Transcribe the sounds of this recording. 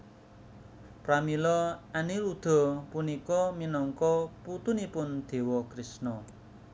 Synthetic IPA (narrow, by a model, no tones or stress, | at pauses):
pɾamilɔanilud̪̥ɔ̤punikɔminɔŋkɔput̪unipʊnd̪̥e̤wɔkɾisnɔ